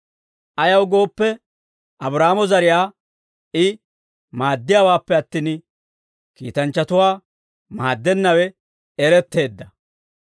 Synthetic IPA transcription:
ʔɐjɐwɡo̞ːpːɛ | ʔɐbɾaːmɔzɐɾɪjaː | ʔɪ | maːd̪ːɪjaːwaːpːɛɐt̪ːiːn | kḭːt̪ɐnt͡ʃːɐt̪ʊwaː | maːd̪ːɛnːɐwɛ | ɛɾɛt̪ːe̞ːd̪ːɐ

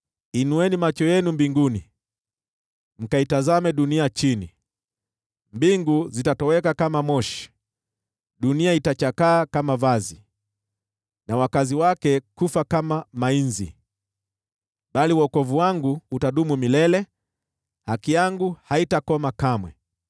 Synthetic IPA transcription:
inuwɛnimat͡ʃɔjɛnumbiŋɡuni | m̩kaitazamɛɗuniat͡ʃini | mbiŋɡuzitatɔwɛkakamamɔʃi̥ | ɗuniaitat͡ʃakaːkamavazi | nawakaziwakɛkufakamamainzḭ | ɓaliwɔkɔvuwaŋɡuːtaɗumumilɛlɛ | hakijaŋɡuhaitakɔmakamwɛ

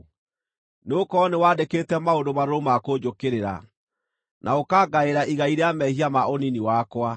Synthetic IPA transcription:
neokɔnewaːdekeːtɛmaondomaɾoɾomakod͡ʑokeɾeɾa̰ | nʔaokaːɡaeɾaʔiɣaiɾeamɛhiamaoniniwakwa

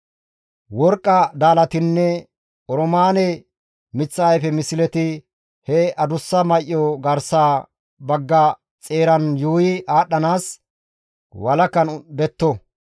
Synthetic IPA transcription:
wɔɾkʼːɐd̪aːlɐt̪ɪnːɛ | ʔɔɾɔmaːnɛ | mɪt͡sːɐɐjfɛmɪsɪlɛt̪ɪ | hɛɐd̪ʊsːɐmɐʔːɔɡɐɾsaː | bɐɡːɐ | t͡sʼeːɾɐnjuːjɪʔaːɗːɐnaːs | wɐlɐkːɐnbɛt̪ːɔ

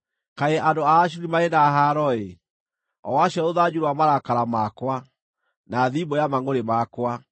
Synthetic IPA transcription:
kaeʔandoaːɕ̬uɾimaenaɦaɾɔe | ɔ̰waɕɔoðad͡ʑuɾwamaɾakaɾamakwa | naðibɔjamaŋoɾemakwa

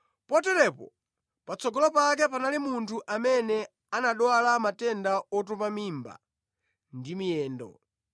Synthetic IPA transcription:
pɔtɛɾɛpɔ̰ | pat͡sʰɔɡɔlɔpak̬ɛpanalimuntʰuʔamɛnɛ | anaɗwalamatɛndaɔt̬ɔpamimba̰ | ndimijɛːndɔ̰

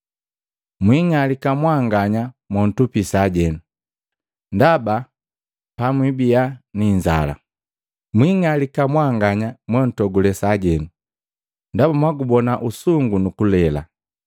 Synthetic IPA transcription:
mwiŋalikamwaŋɡaɲamwɔn̩tupisaɟɛnu | ndaba | pamwibijaniɲd͡ʒa̰la̰ | mwiŋalikamwaŋɡaɲamwɛn̩tɔɡulɛsaɟɛnu | ndabamwaɡubɔnaʔusuŋɡunukulɛla̰

